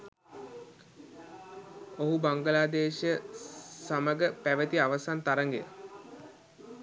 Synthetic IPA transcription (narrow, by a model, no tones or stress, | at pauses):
oɦubaŋɡəlaːd̪eːʃjəsaməɡəpæʋət̪iaʋəsant̪aɾəŋɡḛjə̰